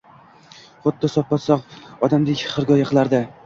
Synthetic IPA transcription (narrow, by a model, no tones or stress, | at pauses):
χʊd̪ːɪsɒpːat̪sɒqɒd̪amd̪ɪkʲχɨɾɡɒjaqʰɨlˠaɾd̪ɪ